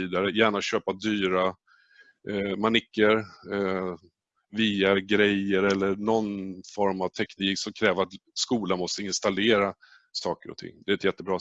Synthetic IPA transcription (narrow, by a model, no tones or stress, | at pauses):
iːd̪aɾəjæːɳaɕøːpad̪yːɾa | manɪkːəɾ | viːaɾɡɾɛjəɾɛlːəɳɔnfɔɾmavt̪ʰɛkniːksɔmkʰɾɛːvəɾat̪skuːlanmɔst̪əɪnst̪aleːɾa | sɑːkəɾɔ̰t̪ʰɪ̰ŋːd̪ɛɛt̪jɛt̪ːəbɾɑː